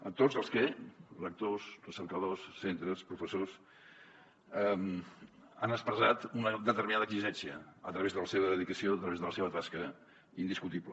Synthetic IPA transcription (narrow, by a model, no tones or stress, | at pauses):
ət̪ozəlˠskɛlək̚t̪osrrəsəɾkəðosːent̪ɾəspɾufəsos | əm | anəspɾəzat̪unəðət̪əɾminaðəkliʒɛnsiəət̪ɾəβezðələseβəðəðikəsioət̪ɾəβezðələseβət̪askə | ind̪iskut̪iblə